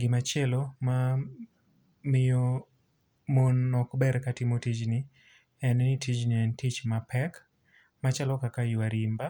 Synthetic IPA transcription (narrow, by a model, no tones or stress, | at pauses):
ɡɪmat͡ʃɛloma | mɪjo | monːɔkbɛɾkatimotid͡ʒni | ɛnɛnitʰid͡ʒniɛntit͡ʃmapʰɛk | mat͡ʃalɔkakajuwaɾimba